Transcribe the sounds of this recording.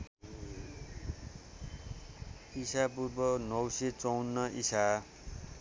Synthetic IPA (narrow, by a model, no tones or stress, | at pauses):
isap̬urbʌnʌwset͡sʌwnːʌʔisa